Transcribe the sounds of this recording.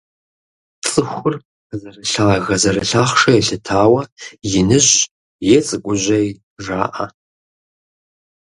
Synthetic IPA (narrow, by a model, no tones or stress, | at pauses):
t͡sʼɨxʷʊr | zɐrɨɬaɣɐzɐɾɨɬaχʂɐjaɬɨtʰaːwɐjɪnɨɕ | jɛt͡sʼɨkʷʼʊʒʷɐj | ʐa̰ːʔa